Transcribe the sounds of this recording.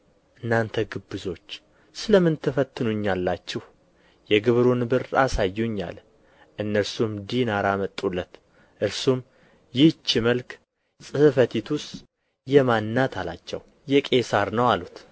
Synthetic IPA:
ʔɨnːant̪ʰəɡɨbːɨzo̞t͡ʃː | sɨləmɨnt̪ʰɨfət̪ʰːɨnuɲːalːat͡ʃːɪh | jɛɡɨβɾunɨbɨɾasajːuɲːa̰l | ʔɨnːəɾsumd̪inaɾamət̪ʼːulːət̪ | ʔɨɾsum | jɪt͡ʃːiməlk | sʼɨhfət̪ʰit̪ʰʊst̪ | jɛmanːat̪ʰala̰t͡ʃːɛ̰w | jɛkʼe̞saɾnəwalut̪

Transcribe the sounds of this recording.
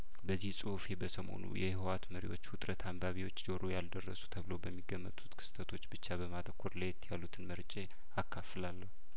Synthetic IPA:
bəzːihsʼufebəsəmo̰nṵjɛhwat̪məɾḭwo̞t͡ʃːwʊt̪ʼɾət̪ʰambaβiwo̞t͡ʃːd͡ʒoɾojald̪ərːə̰su̥t̪ʰəβlobəmːiɡːəmːə̰t̪ʼu̥t̪kʰɨ̥st̪ʰət̪ʰo̞t͡ʃːbɨt͡ʃːabəmat̪ʰʼəkʰːoɾlajɛt̪ʰːjalːut̪ʰɨnməɾt͡ʃʼe | akʰːafɨlalːəhu

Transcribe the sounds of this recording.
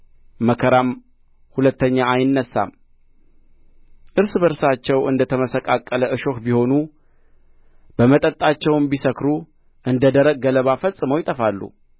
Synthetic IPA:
məkʰəɾam | hulət̪ːəɲːaajɪnːəsːa̰m | ʔɨɾsbəɾsat͡ʃːɛwʔɨ̰nd̪ət̪ʰəməsəkʼakʼːələʔɨʃo̞kbiho̞nu | b̥əmət̪ʼət̪ʼːat͡ʃːɛwmbisəkɾu | ʔɨnd̪əd̪əɾəɡ̚ɡələβafəsʼːɨməwjɪt̪ʼəfalːṵ

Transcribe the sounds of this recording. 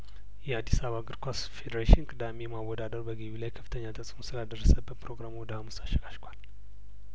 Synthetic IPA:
jɛad̪ːisaβaɡɨɾkʰasfed̪əɾeʃɪnkʼɨd̪amejmawɔd̪ad̪əɾbəɡiβilajkʰə̥fːɨ̥t̪ʰəɲːat̪ʰəsʼmosɨlad̪ərːəsəbːət̪pʰɾo̞ɡɾamowd̪əhamusaʃɛɡaʃkʷʰal

